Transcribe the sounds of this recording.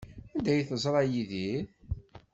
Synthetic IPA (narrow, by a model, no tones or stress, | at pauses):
ænd̪æjθəzˤɾˤɑjiði